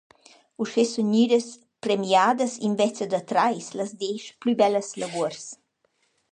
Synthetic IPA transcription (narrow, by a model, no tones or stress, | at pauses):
uʃesɔɲyːɾəs | pɾɛmjaːd̪əsinvɛt͡səd̪ɐt̪ɾajslɐzd̪eʃplybɛləslɐɡuərs